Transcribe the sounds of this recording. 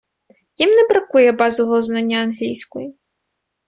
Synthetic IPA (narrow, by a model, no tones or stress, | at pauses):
jimnɛbɾɐkujɛbɑzɔʋɔuznanʲːɐɐnɦlʲijsʲkɔji